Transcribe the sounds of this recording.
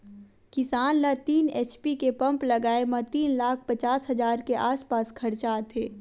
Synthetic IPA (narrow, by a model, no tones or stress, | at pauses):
kɪsaːnlat̪iːneːt͡ʃpikepɐ̃mplɐɡaːemət̪iːnlaːk̚ʰpɐt͡ʃaːsɦɐzaːɾkeʔaːspaːskʰɐɾt͡ʃaːt̪ʰeː